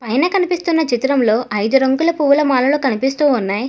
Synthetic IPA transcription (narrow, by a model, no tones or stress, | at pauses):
pɐjnɐkɐnipist̪unːɐt͡ʃit̪ɾɐmlo̞ːʔɐjd̪uɾɐŋɡulɐpuʋulɐmaːlɐloːkɐnipist̪uːunːaːji